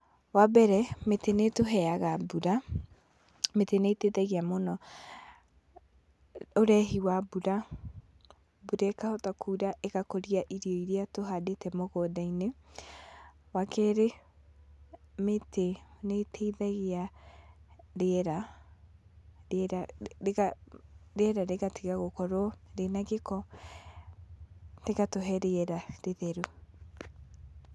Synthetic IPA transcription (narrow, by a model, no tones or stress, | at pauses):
wabɛɾɛmetenetoɦɛaɣabuɾa | meteneteðɛɣeamonɔ | oɾɛɦiwabuɾa | buɾɛkahɔtakʰuːɾaʔeɣakoɾiaʔiɾiɔiɾiatoɦadetɛmoɣɔdaine | wakʰɛɾe | metenetʰɛiðaɣea | ɾeɛɾa | ɾɾaɣaɾeɛɾaɾeɣatʰeɣaɣokɔɾwɔɾenaɣekɔ | teɣatoɦɛɾeɛɾaɾeðɛɾu